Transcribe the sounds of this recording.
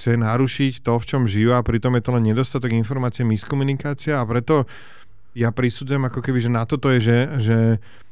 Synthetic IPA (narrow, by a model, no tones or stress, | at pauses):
t͡sɛnaɾuʃict̪ɔft͡ʃɔmʒijuapɾit̪ɔmjɛt̪ɔlɛnɲɛd̪ɔst̪at̪ɔɡinfɔɾmaːt͡siɛmiskɔmunikaːt͡siaapɾɛt̪ɔ | japɾisuːd͡zujɛmakɔkɛbiʒɛnat̪ɔt̪ɔjɛʒɛʒɛ